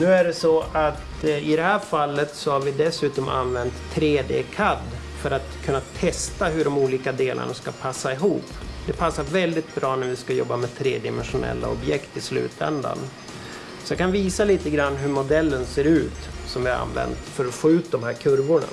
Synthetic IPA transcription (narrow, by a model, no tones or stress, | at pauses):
nʉ̟ːæɖɛsɔat̪ | ɪd̪ɛɦæːɾfalːət̪sɔhaɾvɪd̪ɛsʉ̟ːt̪ɔmʔa̰nːvɛnt̪ʰːɾeːd̪ḛːkʰad̪ | fœɾat̪kʰɵnːat̪ʰɛst̪aɦɵɖɔmuːliːkad̪eːlʔa̰ɳaskapʰasːaɪɦuːpd̪̥ɛpʰasːaɾvɛld̪ɪt̪̚bɾɑːnæɾvɪskajɔ̰bːamɛt̪ʰɾeːd̪ɪmɛnɧʊnɛ̰lːa̰ɔbjɛkt̪ɪslʉ̟̰ːt̪ʰɛ̰nd̪a̰n | sɔjakʰanviːsaliːt̪əɡɾanːɦɵɾmʊd̪ɛlːənseːɾʉ̟ːt̪sɔmvɪhaɾa̰nvɛ̰nt̪fœɾɔfoːʉ̟ːt̪̚d̪ɔmhæːɾkʰɵɾvʊɳa̰